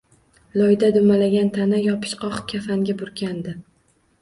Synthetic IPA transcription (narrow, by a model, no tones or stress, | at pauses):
lˠɒjd̪ad̪ʊmalaɡʲant̪ʰanajɒpʰɪ̥ʃqʰɒχkʲʰafaŋɡʲabʊɾkʲʰand̪ɪ